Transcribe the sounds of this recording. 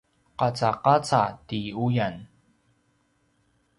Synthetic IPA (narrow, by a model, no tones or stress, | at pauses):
qat͡saqat͡satiujan